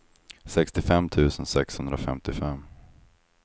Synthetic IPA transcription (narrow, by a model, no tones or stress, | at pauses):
sɛkst̪ɪfɛmt̪ʰʉ̟ːsənsɛkshɵnd̪ɾafɛmt̪ɪfɛmː